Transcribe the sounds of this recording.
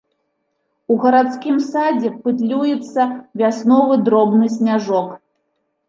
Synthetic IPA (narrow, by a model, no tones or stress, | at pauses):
uɣɐɾat̪skʲimsad͡zʲɛpɨt̪lʲujɛt̪sːɐvʲasnɔvɨd̪ɾɔbnɨs̬ʲnʲaʐɔk